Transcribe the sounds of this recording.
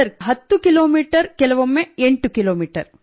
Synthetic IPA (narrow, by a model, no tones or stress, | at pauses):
ɐɾɦɐt̪ːukiloːmiːʈɐɾkɛlɐʋomːeeɳʈukiloːmiːʈɐ̰ɾ